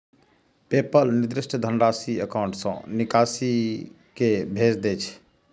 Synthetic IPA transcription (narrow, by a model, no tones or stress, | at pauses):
pepəlnɪd̪ɾɪsʈʰd̪ʱənɾaːsiəkaʊ̃ɳʈsə̰̃nikasi | kebʱed͡ʒd̪et͡ʃʰ